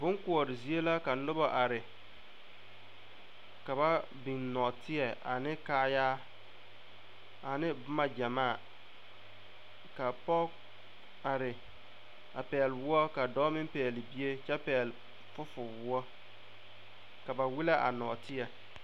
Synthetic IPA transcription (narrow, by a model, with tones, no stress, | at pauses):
bʊ˦ŋku˨ɔ˨ɾɪ˨zi˦e˦la˦ka˨˦nʊ˦bɔ˨ʔa˨ɾɪ˨ | ka˨ba˦ | bi˨nnɔ˨tɪ˦ɛ˨a̰˨nɪ˦kaː˦jaː˦ | a˨nɪ˦bʊ˦ma˨d͡ʒa˨maː˦a˨ | ka˨pɔ˦ | a˨ɾɪ˨ | a˨pɛː˨lwʊ˦ɔ˦ka˨dɔː˦mɪ˦m˦pɛː˨lɪ˨bi˦e˦t͡ʃɛ˦pɛː˨l | fʊ˦fʊ˨wʊ˦ɔ˦ | ka˨ba˨wi˦la˦ʔa̰˨nɔ˨tɪ˦ɛ˨